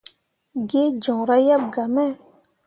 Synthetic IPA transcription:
ɡe˦d͡ʒɔ̃˨ɾa˦ja˦b̚ɡa˨mɛ˦

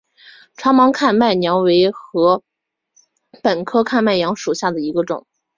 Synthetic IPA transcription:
ʈ͡ʂʰwɑ˥ŋmɑ˧˥ŋkʰa˥˧nma˥˩ɪnjɑ˧˥ʊwe˧˥ɪxɤ˧˥ | pə˨˩nkʰɤ˥kʰa˥˧nma˥˩ɪjɑ˧˥ŋʂu˨˩ɕja˥˩d̪ə˩i˧˥ɡə˧ʈ͡ʂʊ̰˨˩˦ŋ

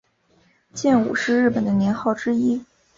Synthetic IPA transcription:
t͡ɕjɛ˥˩nṵ˨˩ʂɻ̩˥˧ɻɻ̩˥˩pə˨˩nd̪ə˦njɛ˧˥nxɑ˥˩ʊʈ͡ʂɻ̩˥i˥

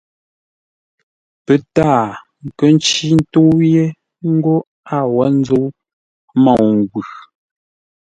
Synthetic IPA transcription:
pə˨taː˦˨ | ŋ̩˨kə˦n̩˦t͡ʃi˦n̩˦to˦je˦ | ŋ̩˦ɡo˦ | a˦˨wa˦n̩˦d͡zo˦ | mɔ̃˦˨ŋ˨ɡwʉ˨

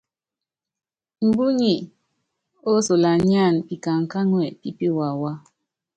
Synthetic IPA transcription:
m̩˨bu˦ɲi˨ | o˦so˨la˨ɲ˦a˦˨npi˨ka˨ŋ̩˨ka˦ŋwɛ˨pi˦pi˦wa˨wa˦

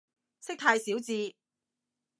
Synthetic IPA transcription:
sɪ˥k̚t̪ʰaː˧jsiː˨˥wt͡siː˧

